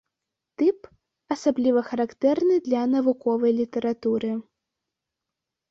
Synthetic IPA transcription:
t̪ɨp | ɐsablʲivɐxɐɾakt̪ɛrnɨd̪lʲɐnɐvukɔvɐjlʲit̪ɛɾat̪uɾɨ

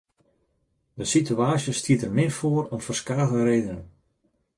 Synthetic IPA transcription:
dəsityaːsjəstʰiətərmɪfoəɾɔmfərskaːɣərejdən

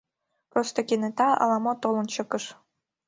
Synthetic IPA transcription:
prost̪okenet̪ɑɑ̰lɑmot̪olənt͡ɕɤ̆kəʃ

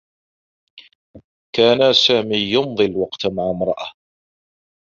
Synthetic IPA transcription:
kaːnasaːmiːjʊnðˤɨlwɑqt̪maʕamɾˤɑʔa

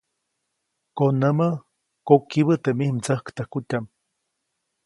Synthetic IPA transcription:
konəmə | kokːiβət̪emihmt͡səhkt̪əhkut̪ʲam

